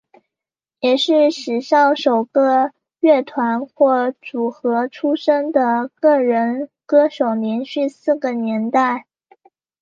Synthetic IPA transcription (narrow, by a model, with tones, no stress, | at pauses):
jɛ˨˩ʂɻ̩˥˩ʂɻ̩˨˩ʂɑ˥˩ʊʂo˨˩ʊkɤ˥˩ | ɥɛ˥˩t̪ʰwa˧˥nxwɔ˥˩ʈ͡ʂu˨˩xɤ˧˥ʈ͡ʂʰu˥ʂə˥ŋd̪ə˨kɤ˥˩ɻə˧˥nkɤ˥ʂo˨˩ʊnjɛ˧˥nɕy˥˧sɹ̩˥˩ɡə˩njɛ˧˥nt̪a˥˩ɪ